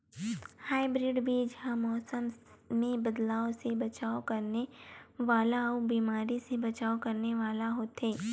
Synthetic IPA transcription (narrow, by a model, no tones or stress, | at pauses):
haːɪbɾɪɖbʱid͡ʒɦãmɔːsəmmẽbɐd̪laːosebɐt͡ʃaːokɐɾneʋaːlaobiːmaːɾisebɐt͡ʃaːokɐɾneʋaːlaɦoːt̪ɦeː